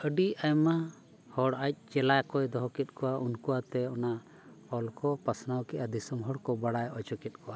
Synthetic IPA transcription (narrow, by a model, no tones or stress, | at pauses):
əɖiajma | hɔɽajc̚ˀt͡ʃɛlajkɔjd̪ɔɦɔkɛt̪̚ˀkɔwaʔunkuwat̪ɛɔna | ɔlkɔpasnawkɛʔad̪isəmɦɔɽkɔbaɽajɔt͡ʃɔkɛt̪̚ˀkɔwa